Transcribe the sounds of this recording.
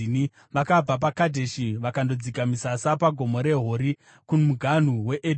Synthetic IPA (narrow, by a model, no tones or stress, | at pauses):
ni | ʋakab͡vap̬akadʱe̞ʃiʋakando̞d͡zikamisasapaɡʱo̞mo̞ɾe̞ɦo̞ɾi | kumuɡʱan̤uwe̞ʔed